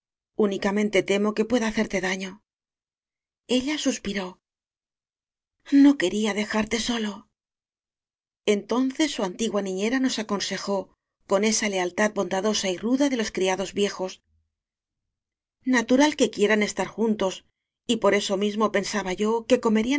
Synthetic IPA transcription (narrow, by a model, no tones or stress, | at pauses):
unikamẽ̞nt̪e̞t̪e̞mo̞ke̞pwe̞ðaːθe̞ɾt̪e̞ðaɲo̞ | e̞ʎasuspiɾo̞ | no̞ke̞ɾiaðe̞xaɾt̪e̞so̞lo̞ | e̞nt̪o̞nθe̞sːuant̪iɣwanĩɲe̞ɾano̞sako̞nse̞xo̞ | ko̞ne̞sale̞alt̪að̚bo̞nd̪aðo̞sairuðaðelo̞skɾiaðo̞zβje̞xo̞s | nat̪uɾalke̞kje̞ɾane̞st̪aɾxunt̪o̞s | ipo̞ɾe̞so̞mizmo̞pe̞nsaβaʝo̞ke̞ko̞me̞ɾia